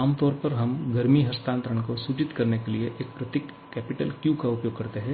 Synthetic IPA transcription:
aːmt̪ɔːɾpɐɾɦɐmɡɐɾmiɦɐst̪ʰãːnt̪ɾəɽ̃kosuːt͡ʃɪt̪kɐɾnekelieʔeːk̚pɾɐt̪ɪkːɛːpɪʈə̰lkjũːkaʊpjoːɡ̚kɐɾt̪eɦɛ̃ː

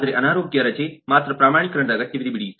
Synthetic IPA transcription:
t̪ɾeʔɐnaːɾoːɡjɐɾɐt͡ʃeːmaːt̪ɾəpɾaːmaːɳ̃ikːɾɐɳd̪ɐɡɐt̪ːjɐʋid̪ibiɽiːs

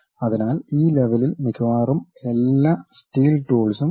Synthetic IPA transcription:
ɐðinaːliːleʋɐlilmikʰʋaːrume̞lːaːstiːlʈuːlsum

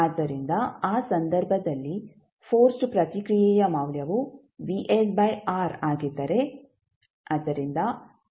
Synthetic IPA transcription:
ɐd̪ːɐɾind̪ɐaːsɐnd̪ɐɾbʱɐd̪ɐlːi | pʰoːɾsʈpɾɐt̪ikɾijɛːjɐmɐwljɐʋu | ʋiʔelbɐjaːɾaːɡid̪ːɐɾe | ɐd̪ɐɾind̪ɐ

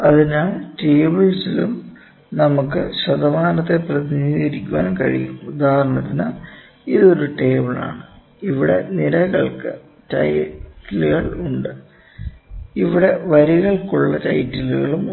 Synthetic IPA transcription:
ɐðinaːɭʈeːbɐɭsilum | nɐmukːɨɕɐd̪ɐmaːnɐt̪ːe̞prɐðiniːɣɐɾikʲːuwa̰ːnkɐɻḭjumud̪ʱaːɐɾɳɐt̪ːina̰ | iðo̞ɾuʈeːbɐɭa̰ːɳɨ | iʋiɽe̞nilɐɣɐɭkɨ̰ | tɐ̰jtːilɣɐɭuɳɖɨ | iʋiɽe̞ʋɐɾiɣɐɭkuɭːɐtɐjtːiluɣɐɭum

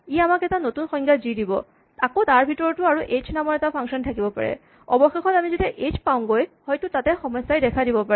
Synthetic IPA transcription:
iamakɛtanotunxɔjŋɡazidibɔ̰ | akotaɹbʱitɔɹɔtʊaɹuʔet͡ʃnamɔɹɛtapʰaŋsɔntʰakibɔpa̰ɹɛ̰ | ɔbɔxexɔtamizitɛʔet͡ʃpaʊ̃ŋɡojhɔjtʊtatɛxɔmɔsːajdɛkʰadibɔpaɛ

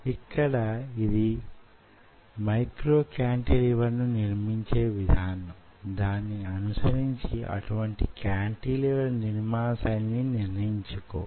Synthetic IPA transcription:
ikːɐɽɐid̪i | mɐjkɾo̞ːkjaːɳʈiːliʋɐɾnuniɾmiɲt͡ʃe̞ːʋid̪ʱaːnɐmd̪aːnːiɐnusɐɾiɲt͡ʃiɐ̰ʈuʋɐɳʈikjaːɳʈiːliʋɐɾninimaːsɐnːiniɾnɐiɲt͡ʃuko̰ː

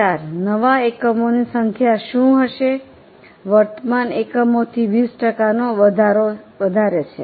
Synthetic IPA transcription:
aɾnəʋaekəmonisəŋkʰjaʃũɦəʃe | ʋəɾt̪əmanekəmot̪ʰiʋisʈəkanoəd̪ʱaɾoʋəd̪ʱaɾet͡ʃʰḛ

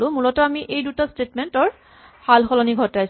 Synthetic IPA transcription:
lʊ̃mulɔtɔamiʔejdutastetmɛntɔɹ | halxɔlɔniɡʱɔtajs

